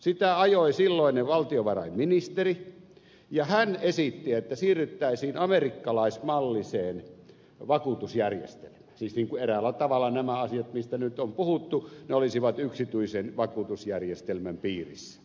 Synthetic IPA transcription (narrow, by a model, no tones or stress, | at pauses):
sit̪æɑjoˑisilːoˑinːeʋɑlt̪ioʋɑrɑ̰imminist̪eri | jɑhænesit̪ːiet̪ːæsiːrːyt̪ːæˑisiːnɑmerikːɑlɑˑismɑlːiseːn | ʋɑkut̪usjærjḛst̪ḛlmæ̥ːnsiːsniːŋkuʔerælːˑæt̪ɑʋɑlːˑɑnæmæɑsijɑt̪mist̪ænyt̪ompuhut̪ːuneolisiʋɑt̪yksit̪yisenʋɑkut̪usjærjest̪elmæmpiːrḭsːæ̥